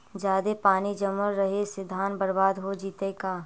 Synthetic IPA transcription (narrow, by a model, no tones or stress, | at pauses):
d͡ʒjaːd̪epaːnid͡ʒəmːəɾɾɐɦesɪd̪ʱːaːnbɐɾbaːd̪ɦod͡ʒiːt̪ekaː